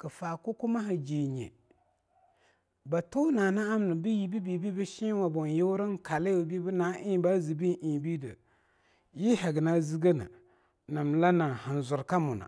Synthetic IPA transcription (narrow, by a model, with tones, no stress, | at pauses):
ka˨faː˨kʊ˦kʊ˦ma˦ɦa˨d͡ʒeː˨ɲɛ̰˨ | ba˨to˦naː˨na˦a˦m˨nɨ˨bɨ˦ji˨˦bi˦bi˨bi˦bɨ˦ʃɪ˦wa˨bɔ˨nje˦ɾɨ˦ŋ˦ka˨le˦o˨bi˦bɨ˦naː˦ʔɪ˦˨ba˦zi˨bi˦ni˨bi˦dɨ̰˨ | ji˦hɛ˨ɡɪ˨na˦zi˦ɡe˦nɨ̰˨ | na˨m˨la˦na˨ha˨n˨zʊ˨ɾka˦mʊ˨na̰˨